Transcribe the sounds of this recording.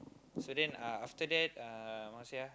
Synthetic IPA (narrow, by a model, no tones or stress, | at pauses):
sodɛ̃naaft̪ədɛt̪̚amanusia